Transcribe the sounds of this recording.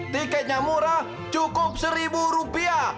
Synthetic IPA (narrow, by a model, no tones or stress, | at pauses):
t̪ikɛt̪̚ɲamuɾa | t͡ʃukʊp̚səɾibuɾupia